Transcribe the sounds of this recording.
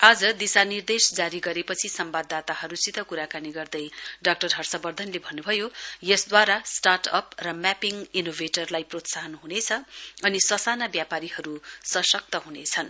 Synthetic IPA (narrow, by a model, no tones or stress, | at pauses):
ad͡zʌd̪isanird̪esd͡zaɾiɡʌɾepʌt͡sʰisʌmbad̪ːat̪aɦʌɾusit̪ʌkuɾakaniɡʌrd̪ʌjɖak̚ʈʌrɦʌrsʌbʌrd̪ʱʌnlebʱʌnːubʱʌjojʌsd̪waɾasʈarʈʌprʌmapiŋinobʱeʈʌrlajprot̪saɦʌnɦunet͡sʰʌʌnisʌsanabjapaɾihʌɾusʌsʌk̚t̪ʌɦunet͡sʰʌn